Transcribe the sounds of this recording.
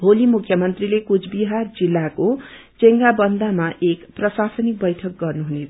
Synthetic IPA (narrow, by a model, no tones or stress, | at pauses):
bʱolimukʰjʌmʌnt̪rilekud͡zʰbiɦard͡zilːako | t͡seŋɡabʌnd̪ʱamaʔekprʌsasʌnik̚bʌjʈʰʌk̚ɡʌrnuɦune